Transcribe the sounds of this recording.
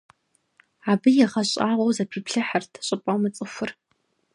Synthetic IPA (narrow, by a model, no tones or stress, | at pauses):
abɨjaʁaɕʷʼaʁʷowzapʰipʰɬɨħartʰɕʷʼɨpʼawmat͡sʼɨfʷʊr